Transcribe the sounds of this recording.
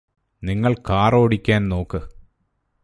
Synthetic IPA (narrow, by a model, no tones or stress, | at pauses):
niŋːɐɭkaːroːɽikʲːaːnno̞ːkːɨ